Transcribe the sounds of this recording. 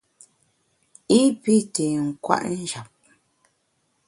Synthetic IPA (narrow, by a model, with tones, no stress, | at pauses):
i˦pi˦te˨ŋ̩˨kwa̰˦ʔn̩˦d͡ʒa˨p̚